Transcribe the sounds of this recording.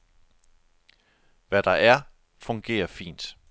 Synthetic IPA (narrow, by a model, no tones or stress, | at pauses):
ʋæɾ̥ɑ̈ʔæɐ | fɔ̽ŋɡ̥e̝̰ːɐfḭːnd̥